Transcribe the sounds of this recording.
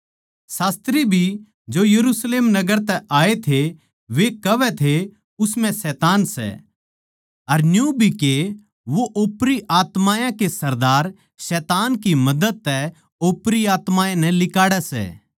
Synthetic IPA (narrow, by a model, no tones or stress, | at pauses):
saːst̪ɾibʱi | d͡ʒoːjɐɾuːsleːmnɐɡəɾt̪ɛʔaːet̪ʰe | ʋekɐʋɛt̪ʰe | ʊsmɛ̃sɛːt̪aːnsɛ̰ | ɐɾnjũbʱike | ʋoʔoːpɾiʔaːt̪maːjãkesɐɾd̪aːɾ | sɛːt̪aːnkimɐd̪əd̪̚t̪ɛ | oːpɾiaːt̪maːjãnɛ̃lɪkaːɽɛsɛ̰ː